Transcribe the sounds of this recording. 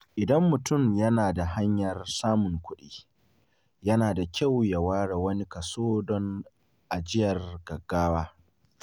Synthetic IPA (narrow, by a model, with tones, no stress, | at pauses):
ʔɪ˨dɐ˦mːʊ˨tʊ˦˨mjɐ˦naː˨da˨ɦa˦ɲjɐ˨rsaː˦mʊ˨ŋkʷʊ˦ɗiː˦ | jɐ˦naː˨da˨kʲa˦wja˨waː˦ɽe˨wɐ˦ni˦kɐ˨soː˦dɔ˦n | ʔa˨d͡ʒɪ˦jɐ˨rɡ̥ɐ˨ɡːaː˦waː˦